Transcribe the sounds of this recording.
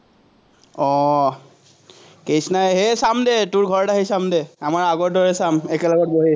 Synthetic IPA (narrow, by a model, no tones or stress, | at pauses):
ɔ | kejsnajɦesamdɛtʊɹɡʱɔɹdaɦejsamdɛamaɹaɡɔɹdɔɹɛsamɛkɛlɔɡɔt̚boɦe